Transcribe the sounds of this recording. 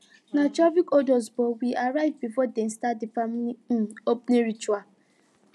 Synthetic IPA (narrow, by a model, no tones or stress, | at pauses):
nat͡ʃɔvikɔdɔzbɔwiʔaɾaɪvbifɔdɛ̃n̩stat̚difamliopneɾit͡ʃua